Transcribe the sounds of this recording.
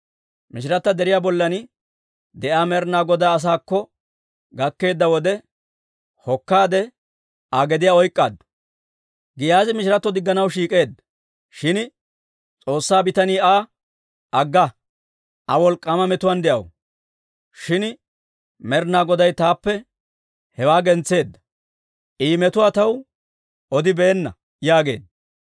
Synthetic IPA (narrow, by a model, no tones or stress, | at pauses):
mɪʃɪɾɐt̪ːɐd̪ɛɾɪjaːbɔlːɐn | d̪ɛʔaːmɛɾnaːɡɔd̪aɐs̬aːkːɔ | ɡɐkːe̞ːd̪ːɐwɔd̪ɛ | hɔkːaːd̪ɛ | ʔaɡɛd̪ɪjaːɔjkʼːa̰ːd̪ | ɡɪjaːzɪmɪʃɾɐt̪ːɔd̪ɪɡːɐnɐwʃiːkʼe̞ːd̪ | ʃɪn | t͡sʼo̞ːsːaːbɪt̪ɐniːaː | ɐɡːɐ | ʔɐwɔlkʼːɐmɐmɛt̪ʊwaːnd̪ɛʔɐ̰w | ʃɪn | mɛɾnaːɡɔd̪ɐjt̪aːpːɛ | hɛwaːɡɛnt͡sːe̞ːd̪ːɐ | ʔiːmɛt̪ʊwaːt̪ɐw | ʔɔd̪ɪbeːnːɐ | jaːɡe̞ːd̪ɐ